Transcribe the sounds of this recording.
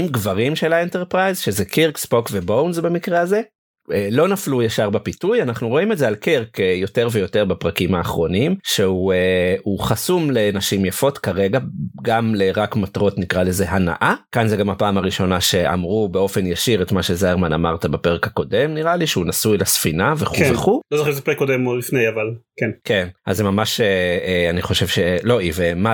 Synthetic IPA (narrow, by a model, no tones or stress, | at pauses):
imɡvaʁimʃelaenteʁpʁajzʃezekiʁkspo̞kvebownzbemikʁeaze̞ | elo̞naflujaʃaʁbapitujanaχnuʁo̞imezealkiʁkejo̞te̞ʁvejo̞te̞ʁbapʁakimaːχʁo̞nimʃeueuχasumle̞naʃimjafo̞tkaʁeɡaɡamleʁakmatʁo̞tnikʁaleze̞ɦana̰ʔakanzeɡamhapaːmaʁiʃo̞naʃe̞ʔa̰mʁube̞o̞fe̞njaʃiʁet̪maʃe̞zaeʁmana̰maʁt̪abapeʁekhako̞de̞mniʁaliʃeunasuelasfinaveχkuveχulozoχizepeekːodemolifnejavalkenkenʔazemamaʃeeaniχo̞ʃe̞vʃelo̞ivema